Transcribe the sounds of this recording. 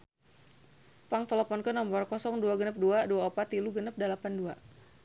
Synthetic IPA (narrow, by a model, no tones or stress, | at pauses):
paŋt̪ələpɔnkənɔmbɔrkɔsɔŋduaɡənəp̚duaduaopat̪iluɡənəp̚dalapandua